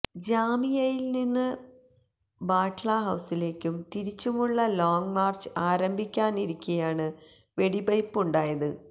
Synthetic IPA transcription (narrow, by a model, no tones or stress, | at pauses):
d͡ʑaːmijɐjilninːɨ | baːʈɭɐɦɐwsile̞ːkʲːumt̪iɾit͡ɕːumuɭːɐloːŋmaːrt͡ɕɨaːɾɐmbʱikʲːaːniɾikʲːuɐjaːɳɨ | ʋe̞ɽibɐjpːuɳɖaːjɐðɨ